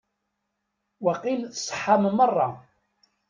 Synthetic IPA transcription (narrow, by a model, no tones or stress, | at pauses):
waqilθsˤħːammərˤːɑ